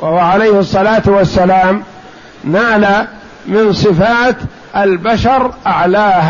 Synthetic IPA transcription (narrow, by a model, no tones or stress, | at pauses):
wawaʕalajhsˤːɑlaːt̪wasːalaːm | naːla | mɪnsˤɨfaːt̪ | ʔalbaʃɑɾˤʔaʕlaːh